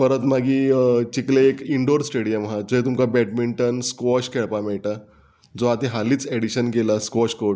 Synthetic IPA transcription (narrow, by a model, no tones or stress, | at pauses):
fəɾət̪maɡiːt͡ɕikleekiɳɖoɾsʈeɽijəmɦãd͡zoɦet̪umkabɛʈ̚miɳʈənskʋɔɕkeɭpamɛɭʈa | d͡zoat̪eɦaliːt͡seɽiɕənkelaskɔɕkoɽ